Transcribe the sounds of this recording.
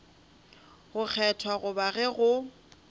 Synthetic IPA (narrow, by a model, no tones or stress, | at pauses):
ɣʊk͡xʰɛtʰwaɣʊbaɣɛɣʊ